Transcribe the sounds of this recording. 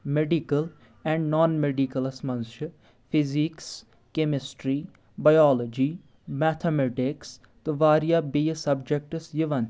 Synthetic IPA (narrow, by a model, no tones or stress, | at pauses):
meɖikəl | ɛ̃ɳɖnɔːnmeɖikəlɐsmɐnʃə | pʰiziks | kemɪsʈɾiː | bajɔːlod͡ʒi | mɛːt̪ʰemeʈɪks | t̪ɨʋaːɾjabijsɐbd͡ʒek̚ʈsjiʋɐn